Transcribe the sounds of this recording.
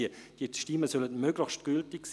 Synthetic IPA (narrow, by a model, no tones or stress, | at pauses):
əd̥iəʃtiməsœlətmøːɡləxʃtɡ̥yltɪks